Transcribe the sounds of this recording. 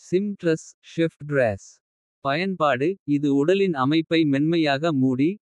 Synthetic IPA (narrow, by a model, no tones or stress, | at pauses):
sɪmʈɾɐsʃɪfʈɖɾeːs | pɐjɐnpaːɽɯɪðɯʊɽɐlɪnɐmɐɪpːɐɪmɛɳmɐjaːɣɐmuːɽi